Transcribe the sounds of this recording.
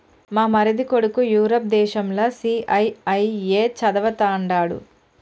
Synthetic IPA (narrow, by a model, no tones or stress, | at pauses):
maːmɐɾid̪ikoɽukujuːɾɐːp̚d̪ɛːʃɐmlɐsiːʔɐjɐjeːt͡ʃɐd̪ɐʋɐt̪aːɳɖaːɽṵ